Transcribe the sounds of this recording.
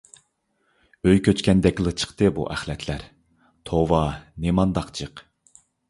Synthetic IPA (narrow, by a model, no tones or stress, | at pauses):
øjkʲʰøt͡ʃkʲɛnd̪ɛkʲlˠɨt͡ʃʰə̥χt̪ɨbṵʔæχlɛt̪ʰlæɾ | t̪ʰowɑnemɑnd̪ɑqt͡ʃʰɨq